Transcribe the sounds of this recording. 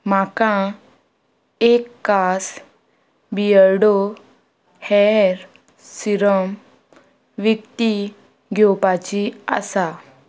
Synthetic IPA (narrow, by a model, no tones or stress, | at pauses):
makã | ekːas | bijəɾɖo | hɛɾ | siɾəm | ʋikt̪i | ɡʱɔpat͡ɕia̰sa